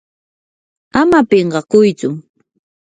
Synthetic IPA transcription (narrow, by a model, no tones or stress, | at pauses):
amapeɴɢɑkʊjt͡sʊ